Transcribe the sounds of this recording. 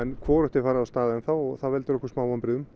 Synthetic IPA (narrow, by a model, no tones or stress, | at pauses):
ɛnkʰvɔːɾʏht̪ɪfaːɾaðawst̪aːðaʏmθawɔɣθavɛlt̪ɪɾɔhkʏsmaːwampɾɪðʏm